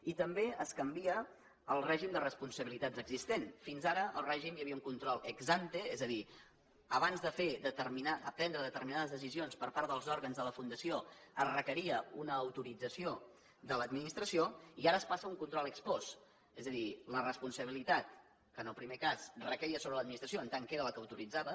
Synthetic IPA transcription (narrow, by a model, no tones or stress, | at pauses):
it̪əmbeəskəmbiə | əlˠrɛʒimd̪ərəspunsəβilit̪ad͡zəɡzist̪enfinzaɾəə̰lˠrɛʒimjəβiəuŋkunt̪ɾɔlˠəɡzant̪əezəði | əβanzðəfeðət̪əɾminaəpɾɛnd̪ɾəðət̪əɾminaðəzðəsizionspəɾpaɾðəlˠzɔɾɣənzðələfund̪əsioəzrəkəɾiəunəːwt̪uɾid͡zəsio | d̪ələd̪minist̪ɾəsioiaɾəːspasəuŋkunt̪ɾɔlˠəkspɔs | ezəðilərəspunsəβilit̪at̪ | kənəlˠpɾimekasrəkəɾiəsoβɾələd̪minist̪ɾəsioənt̪aŋkeɾələkəwt̪uɾid͡zaβə